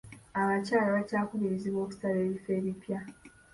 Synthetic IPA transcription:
aβacaːlaβacaːkuβiɾiziβo̞ːku̥saleːβife̞ːβipja

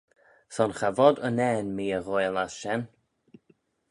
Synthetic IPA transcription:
sɔnxavɔdənɛːnmiːəɣojlasʃɛn

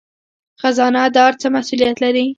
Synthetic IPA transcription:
xazɑnad̪ɑɾt͡səmasulijat̪laɾi

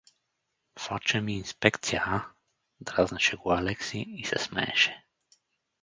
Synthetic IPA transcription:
fat͡ʃɛmiːnspɛkt̪sijaa | d̪ɾaznaʃɛɡualɛksiːsɛ̰smɛ̰ɛ̰ʃɛ̥

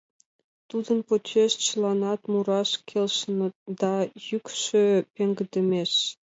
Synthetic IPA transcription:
t̪ud̪ənpot͡ɕeʃt͡ɕəlɑnɑt̪muɾɑʃkʰelʃənə̆t̪̚d̪ɑjykʃø̆peŋɡəd̪ə̆meʃ

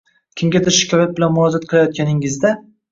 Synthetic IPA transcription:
kʲʰɪmɡʲad̪ɪɾʃɪ̥kʲʰɒjat̪̚bɪlanmʊɒzat̪̚qʰɨlˠajɒt̪̚kʲʰanɪŋɪzd̪a

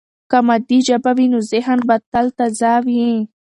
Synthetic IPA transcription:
kamad̪id͡ʒabawinozɪɦənbat̪alt̪azɑwi

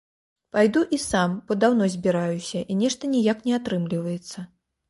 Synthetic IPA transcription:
pajd̪uʔisamb̥ɔd̪awnɔzʲbʲiɾajusʲɐʔinʲɛʂt̪ɐnʲijaknʲɛat̪ɾɨmlʲivɐjɛt̪sːɐ

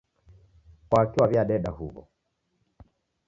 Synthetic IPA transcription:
kwakiwaβjaɗɛɗahuβɔ̰

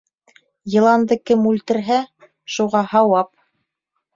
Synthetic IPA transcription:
jɤ̆lˠɑnd̪ɤkɘmʉlt̪ɘ̆ɾɦæ | ʃuʁɑhɑwɑp

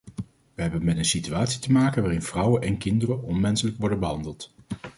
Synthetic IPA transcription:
ʋəɦɛbənmɛtənsityaːtsi̥təmaːkənʋaːrɪnv̥rʌwənʔɛnkɪndərənʔɔnmɛnsələkʋɔɹdənbəɦɑndəlˠt

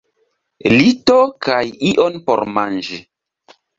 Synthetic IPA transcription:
litokajiʔonpɔɾmand͡ʒi

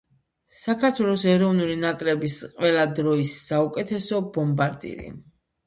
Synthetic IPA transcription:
sakʰaɾt̪ʰwɛlˠɔsɛɾɔvnulinakʼɾɛbisqʼwɛlad̪ɾɔisːaukʼɛt̪ʰɛsɔbɔmbaɾd̪ḭɾḭ

